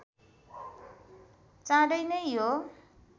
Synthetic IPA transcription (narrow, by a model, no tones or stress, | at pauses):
t͡sãɽʌjnʌjjo